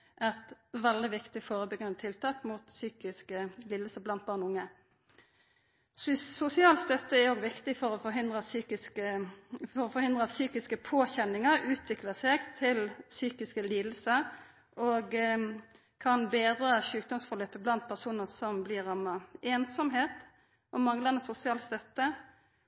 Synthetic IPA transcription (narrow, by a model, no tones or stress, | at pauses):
ʔɛt̪ʋɛld̪ɪʋɪkt̪ɪfoːʁəbəɡʁɛnət̪ʰɪlt̪ʰɑːkmut̪syːkɪskəliːd̪əsəblɑnt̪̚bɑːʁnʊŋːə | sʊsɪɑːlt̪st̪œt̪ːəɛoːɡʋɪkt̪ɪfɔɾɔfɔhɪnd̪ʁəsyːkɪskəfɔɾɔfɔɾhɪnd̪ʁəsyːkɪskəpʰoːçɛnːɪŋəɾʉːt̪ʰʋɪkləseɡt̪ʰɪlsyːkɪskəliːd̪l̩sə | ʔoɡ | kʰɑnbeːd̪ɾəʃʉːk̚d̪ɔmsfɔʁløːpəblɑnt̪̚pʰæʁsuːnəʁsɔmbliːʁɑməeːnsɔmɦeːt̪ | ʔɔmɑŋləʁnəsʊsɪɑːlst̪œt̪ːə